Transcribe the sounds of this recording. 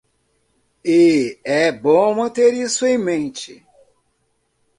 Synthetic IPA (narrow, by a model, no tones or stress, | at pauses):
ɪɛbõmɐ̃nt̪eɾisʊẽj̃mẽnt͡ʃɪ